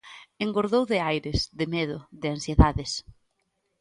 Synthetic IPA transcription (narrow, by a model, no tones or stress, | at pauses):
eŋɡoɾðowðɪajɾɪsðɪmeðʊðɪansjeðaðɪs